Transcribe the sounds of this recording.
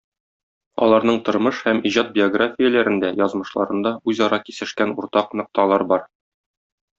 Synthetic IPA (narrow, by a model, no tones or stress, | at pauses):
ɒ̰lˠɑɾnɤɴt̪ŏɾmɤʃhæmiʑɑt̪̚bʲɪoɡrafʲɪjɘlæɾɘ̆nd̪æjɒzmɤ̆ʃlˠɑɾɤ̆nd̪ɑʉzɒɾʔɑkisɘ̆ʃkænuɾt̪ɑqnɤ̆q̚t̪ɑlˠɑɾbɒɾ